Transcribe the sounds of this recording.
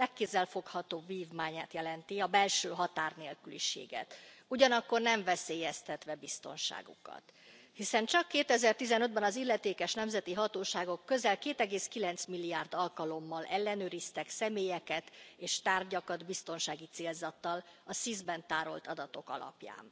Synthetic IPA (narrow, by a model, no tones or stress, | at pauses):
lɛkːezːɛlfo̞khɒt̪oːbviːvmaːɲaːt̪jɛlɛnt̪iɒbɛlʃøːɦɒt̪aːrneːlkylḭʃḛːɡɛ̰t̪uɟɒnɒkːo̞rnɛɱvɛseːjɛst̪ɛt̪ʋɛbist̪o̞̰nʃa̰ːɡṵkɒ̰t̪ | hisɛnt͡ʃɒkːeːt̪ɛzɛrt̪izɛnø̞d̪̚bɛnɒzilːɛt̪eːkɛʃnɛmzɛt̪iɦɒt̪oːʃaːɡo̞kːø̞zɛlkeːt̪ɛɡeːskilɛnt̪smilːijaːrd̪ɒlkɒlo̞mːɒlʔɛlːɛnøːɾist̪ɛksɛmeːjɛkɛt̪eːʃt̪aːrɟɒkɒd̪bist̪o̞nʃaːɡit̪seːlzɒt̪ːɒlɒsizbɛnt̪aːɾo̞̰lt̪ɒd̪ɒt̪o̞kɒ̰lɒ̰pja̰ːn